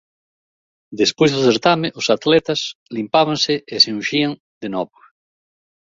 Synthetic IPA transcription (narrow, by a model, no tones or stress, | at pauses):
d̪espojzðoθeɾt̪ameʔʊsat̪lɛt̪aslimpaβaŋseeseũʃiaŋ | d̪enɔβo